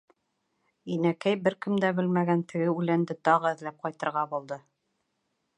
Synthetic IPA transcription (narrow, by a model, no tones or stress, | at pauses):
inækæjbɘɾkɘ̆md̪æbɘlmæɡænt̪ɘ̆ɡɘʉlænd̪ɘt̪ɑʁɤɘ̆ðlæp̚qɑjt̪ɤ̆ɾʁɑbulˠd̪ɤ